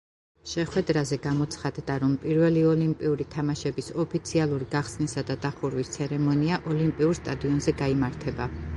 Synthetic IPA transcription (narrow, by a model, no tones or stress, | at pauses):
ʃɛχwɛd̪ɾazɛɡamɔt̪sʰχad̪d̪aɾɔmpʼiɾvɛliɔlimpʼiuɾit̪ʰamaʃɛbisɔpʰit̪sʰialˠuɾiɡaχsnisad̪ad̪aχuɾwist̪sʰɛɾɛmɔniaʔɔlimpʼiuɾst̪ʼad̪iɔnzɛɡaimaɾt̪ʰɛba